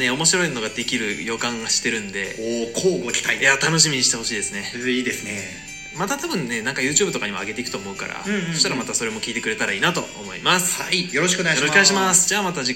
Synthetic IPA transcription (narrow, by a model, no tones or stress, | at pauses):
e̞o̞mo̞ɕiɾo̞inno̞ɡad̪e̞kʲiɾɯ̟jo̞kãŋaɕi̥t̪e̞ɾɯ̟̃nd̪e̞̰okʰoːɡokʲi̥t̪aijat̪ano̞ɕ̬imʲiɲ̟iɕi̥t̪e̞ho̞ɕiːd̪esɨne̞iːd̪esɨne | mat̪at̪abɯ̟̃nːe̞nãŋkajɯ̟ːt͡ɕɨːbɯ̟t̪o̞kaɲ̟ima̰ɡe̞t̪e̞ikɯ̥t̪o̞ːmo̞ɯ̟ka̰ɾa̰ɯ̃soɕit̪aɾamat̪aso̞ɾe̞mo̞kʲiːt̪e̞kɯɾe̞t̪aɾaiːnat̪o̞̰o̰mo̞ḭmasɨ̥aijoɾoɕ̬i̥kɯoneajɾokaiɕimasɨ̥d͡ʑaːmat̪aʑi